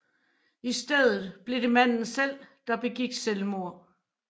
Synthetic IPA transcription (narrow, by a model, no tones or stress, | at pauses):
isd̥eð̞̰ˠð̩ˠb̥le̝d̥e̝mæn̰n̩sel̰d̥ɑ̈b̥e̝ɡ̥iɡ̥selmo̝ɐ̰